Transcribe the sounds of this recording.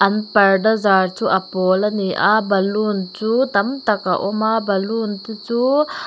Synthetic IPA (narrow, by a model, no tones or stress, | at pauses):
ʔɐnpɐɾɖɐzaːɾt͡ʃuʔɐpoːlɐniʔa̰bɐlunt͡ʃut̪ɐmt̪ɐkaʔomabɐlunt̪it͡ʃu